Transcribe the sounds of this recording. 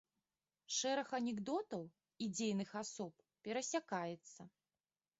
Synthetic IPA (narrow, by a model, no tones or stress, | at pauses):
ʂɛɾɐxɐnʲɛɡd̪ɔt̪ɐw | id͡zʲejnɨxasɔp | pʲɛɾɐsʲakajɛt̪sːɐ